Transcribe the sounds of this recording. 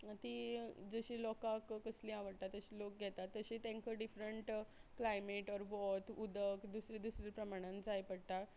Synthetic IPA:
t̪iːd͡zəɕiːlɔkãkkəslĩaʋəɽt̪at̪əɕiːlok̚ɡʱɛt̪at̪ːəɕit̪ẽŋkʰəɖifɾəɳʈklajmeʈɔɾʋɔt̪ud̪əkd̪usɾid̪usɾipɾəmaɽ̃ãnd͡zajpəɽt̪a

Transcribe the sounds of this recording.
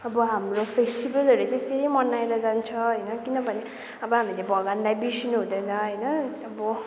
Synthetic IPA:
ʌbʌɦamropʰesʈibʌlʌɾet͡saej̃seɾimʌnajɾʌd͡zant͡sʰʌɦʌjnʌkinʌbʱʌne | ʌbʌɦamilebʱʌɡand̪ajbisinuɦũd̪ʌjnʌɦʌjnʌː | bʌ

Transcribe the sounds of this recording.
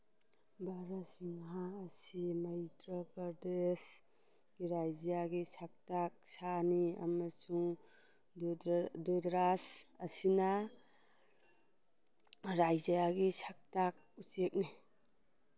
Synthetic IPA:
bʱaɾasiŋɦaːsimajtɾapaɾdes | ɡ̥iɾajzjaɡisʰak̚tak̚sania̰masuŋ | dedɾasɐsina | ɾajzajaɡisʰak̚tak̚ut͡ʃek̚ni

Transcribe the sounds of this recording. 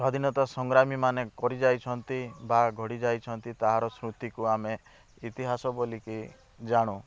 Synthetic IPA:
sad̪ʱinɔt̪asɔŋɡɾamimanekɔɾid͡ʒajt͡ʃʰɔnt̪ibaɡʱɔɽid͡ʒajt͡ʃʰɔnt̪it̪aɦaɾɔsɾut̪ikuame | it̪iɦasɔbɔliki | d͡ʒaɽ̃ũ

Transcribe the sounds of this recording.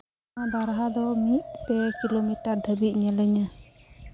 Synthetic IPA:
abaɾɦad̪ɔmit̪̚pɛkilomiʈaɾd̪ʱəbit̪̚ɲɛləɲa

